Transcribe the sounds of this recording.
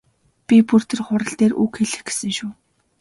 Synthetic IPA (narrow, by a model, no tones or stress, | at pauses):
pʲipur̥t̪ɘ̆rχʊɾə̆ɬt̪eːrʔukxeɮɘ̆xɡe̥sɘ̆ŋʃuː